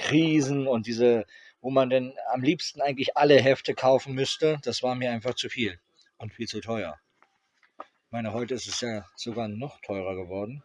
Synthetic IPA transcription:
kʁ̥iːzn̩ʊnt̚d̥iːzə | voːmandɛnamliːpstn̩ʔaɪɡŋ̩tlɪçʔaləɦɛftəkʰaʊfn̩mʏstəd̥asv̥aːɐmiːɐaɪnfaχt͡sufiːl | ʔʊntfiːlt͡sutʰɔʏɐ | ɪçmaɪnəɦɔʏtəɪstɛsjaːz̥oɡaːɐnɔχtʰɔʏʁɐɡəvɔɐdn̩

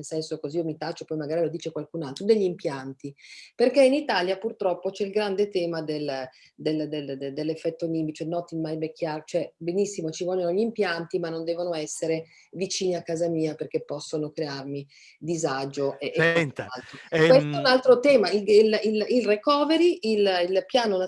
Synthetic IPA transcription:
nelsɛnsokoziːomit̪at͡ʃːopɔjmaɡaːɾilod̪iːt͡ʃekwalkunalt̪ɾod̪eʎːimpjant̪iperk̟einit̪aːljapurt̪ɾɔpːot͡ʃɛilɡɾand̪et̪ɛːmad̪el | d̪eld̪eld̪d̪elːefːɛt̪ːoniːmbit͡ʃoɛnɔt̪ːimajbekʰːjaɾt͡ʃoɛbenisːimot͡ʃivɔʎːonoʎimpjant̪imanːond̪ɛːvonoɛsːeɾe | vit͡ʃiːniakːaːzamiːaperkepːɔsːonokɾearmi | d̪izad͡ʒoʔeʔːalt̪ɾowest̪ɛunalt̪ɾot̪ɛːmaiilililrekɔːveɾiʔililpjaːnona

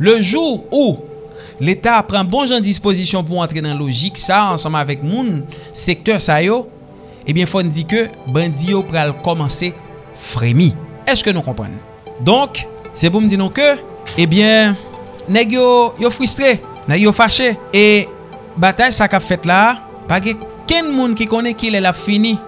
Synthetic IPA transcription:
løʒuʁu | let̪apʁãbɔ̃ʒɑ̃d͡zispozisjɔ̃p̬uãt̪ʁenãloʒiksaɑ̃sɑ̃mavɛk̚mũnsek̚t̪œʁsajo | ebjɛ̃fɔnũd͡zikøbãd͡zijopʁalkɔmɑ̃se | fʁemĩɛskønũkɔ̃pɣɐ̰̃n | d̪ɔ̃k | sɛp̬um̩d͡zinũkø | ebjɛ̃ | nɛɡjojofʁyst̪ʁe | nɛɡjofaʃee | bat̪ajsakapfɛt̪la | paɡɛ̃kɛ̃nmũnk̬ikõnɛ̃kilɛlapfinĩ

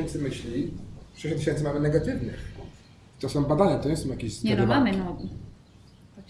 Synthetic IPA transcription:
ɛnt̪sɨmɘɕlʲiʂɛɕɔt̪ːɪɕɛnt̪sɨmamɘnɛɡat̪ɘvnɪ̰x | t̪ɔsɔmbad̪aɲat̪ɔɲɛsɔ̃mjakʲeɕzɲɛnɔmamemɔɡʲi

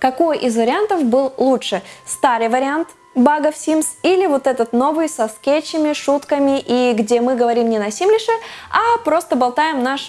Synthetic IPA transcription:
kɐko̞jʔizvəɾʲɪant̪əfbɨlˠlˠuʂɨst̪aɾɨjvəɾʲɪant̪ | baɡəfsʲimsilʲɪvo̞t̪ɛt̪ət̪no̞vɨjsɐskʲet͡ɕɪmʲɪʂut̪kəmʲɪʔiɡdʲemɨɡəvɐɾʲimnʲɪnɐsʲimlʲɪʂɨapɾo̞st̪əbɐlˠt̪ajɪmnaʂ

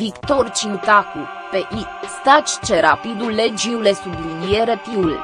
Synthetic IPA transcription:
vikt̪ort͡ʃint̪aku | peʔist̪at͡ʃt͡ʃeɾapid̪ulːed͡ʒiulesublinieɾepiul

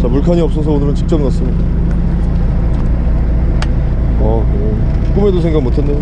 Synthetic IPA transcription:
t͡ɕapuɭkʰaɲiʌp̚s͈ʌs̬ʰʌonɯɾɯnt͡ɕik̚t͡ɕ͈ʌmnas͈ɯmɲida | a | ʌ | k͈ume̞dosʰe̞ŋɡamotʰenːejo

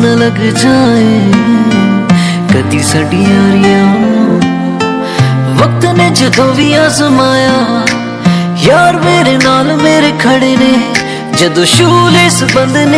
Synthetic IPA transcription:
nɐ̃ləɡd͡ʒaːe | kəd̪iːsɐɖiːjaːɾɪjaːɦo | ʋək̚t̪ned͡ʒɐd̪õːʋiːaːzəmaːjaː | jaːɾmeːɾenaːlmeːɾeːkʰɐɽeːneː | d͡ʒɐd̪õːʃuːleːsbə̃nd̪ne

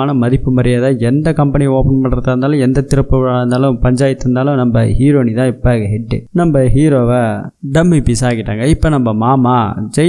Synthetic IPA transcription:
aːnɐmɐðɪpːɯmɐɾɐjaːðaɛnd̪ɐkɐmpɐnɪoːpɐnpɐɳːɾɐt̪ːaːɾnd̪aːlʊ̃ɛnd̪ɐt̪ɪɾɐpːɯʋɐɭaːɾɯnd̪aːlʊ̃pɐɲd͡ʒaːjɐt̪ːɯɾɯnd̪aːlʊ̃nɐmbɐhiːɾoːnit̪ãːɪpːɐɡɐɦɛɖːɯ̰nɐmbɐɦiːɾoːʋɐɖɐmːipisaːɣɪʈːa̰ːŋɡɐɪpːoːnɐmbɐmaːmaːd͡ʒɛ

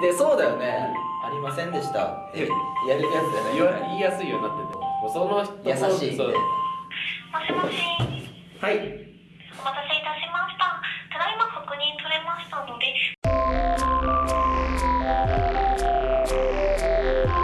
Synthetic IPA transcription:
d̪eso̞ːd̪ajo̞ne̞aɾʲimasẽ̞nd̪e̞ɕi̥t̪a̰t̪ːejaɾejasɨd̪anaiaiːjasɨijo̞ɲ̟inat̪ːet̪osonoçt̪jasaɕiːsoːd̪es | maɕimoɕi | hai | somat̪aseit̪aɕimaɕi̥t̪at̪anaimakokɯ̟ɲ̟ĩnt̪oɾemasɨ̥t̪anod̪e

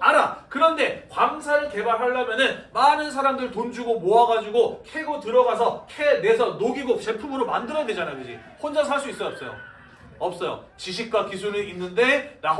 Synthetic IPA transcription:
aɾakɯɾʌnde̞kwamsʰaɾɯɭke̞baɾɦaɭːamjʌnɯnmanɯnsʰaɾamdɯɭtond͡ʑuɡomoaɡad͡ʑuɡokʰeɡotɯɾʌɡas̬ʰʌkʰene̞sʰʌnoɡiɡot͡ɕe̞pʰumɯɾomandɯɾʌded͡ʑanajoɡɯd͡ʑḭ | hond͡ʑasʰaɭs̬͈uis͈ʌjʌps͈ʌjo̰ | ʌp̚s͈ʌjo̰ | t͡ɕiɕ̬ʰik̚k͈wakisʰuɾɯinːɯnde̞ɾa

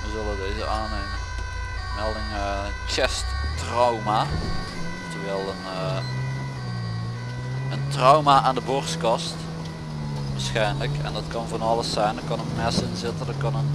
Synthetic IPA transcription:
ʋəzɵlədejzə̰ʔaːnejmən | mɛlˠdɪŋə | χɛstːrɔwmaː | təʋɛlˠən | əntrɔwmaːaːndəbʊrskɑst | ʋaːsxɛjnləkɛ̰ndɑtkɑnvɑnɑləsɛjndəkɑnənmɛsɪnzɪtəndɑtkɑnən

